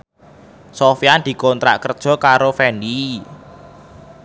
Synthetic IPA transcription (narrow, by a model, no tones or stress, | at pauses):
sofiand̪̥i̤kɔnt̪ɾa̰ʔkərd̥ʒ̥ɔ̤kaɾofɛndi